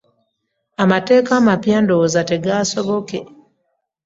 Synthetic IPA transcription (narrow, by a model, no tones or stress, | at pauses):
amate̞ːkaːmapjaːndo̞ːzate̞ɡasoβo̞ke